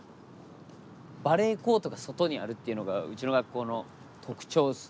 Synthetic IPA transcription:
baɾe̞ːko̞ːt̪o̞ɡaso̞t̪o̞ɲ̟ia̰ɾɯ̟t̪ːe̞iɯ̟no̞ɡaɯ̟t͡ɕino̞ɡakːo̞ːno̞ | t̪ʰo̞kɯ̟̥t͡ɕo̞ːs

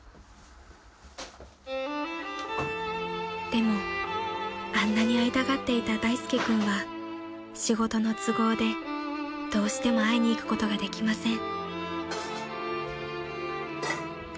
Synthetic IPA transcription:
d̪̥e̞mo̞ | ãnːaɲ̟iait̪aɡat̪ːe̞it̪ad̪aisɨ̥kʲikɯ̟̃ɰ̃βa | ɕiɡo̞t̪o̞no̞t͡sɨɡo̞ːd̪e̞ | d̪̥o̞ːɕi̥t̪e̞mo̞aiɲ̟iːkɯ̟̥ko̞t̪o̞ɡad̪e̞kʲimasẽ̞ŋ

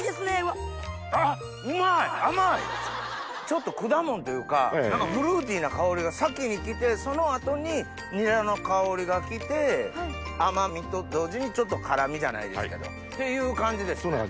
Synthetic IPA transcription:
d̪esɨnea | a | ɯmaiamai | t͡ɕo̞t̪ːo̞kɯ̟d̪amõ̞nt̪o̞jɯ̟ːka̰nãŋkabɯ̟ɾɯ̟ːt̪̬ʲiːnakao̞ɾʲiɡasakʲːiɲ̟ikʲit̪e̞so̞no̞at̪o̞ɲ̟i | ɲ̟iɾano̞kao̞ɾʲiɡakʲit̪e̞ | amamʲit̪o̞d̪o̞ːʑiɲ̟it͡ɕo̞t̪̬ːo̞kʰaɾamʲiʑana̰ḭd̪e̞ske̞d̪o̰ | t̪e̞jɯ̟ːkãɲ̟d͡ʑid̪e̞s

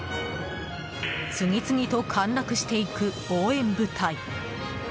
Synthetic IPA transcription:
sɨŋʲit͡sɨŋʲit̪o̞kʰãnɾakɯ̟ɕi̥t̪e̞ikɯ̟ | o̞ːẽ̞mbɯ̟t̪ʰai

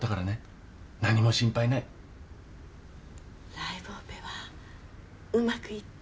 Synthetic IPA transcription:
t̪akaɾane̞ | naɲ̟imo̞ɕĩmpainai | ɾaibɯopeβa | ɯ̟makɯ̟i

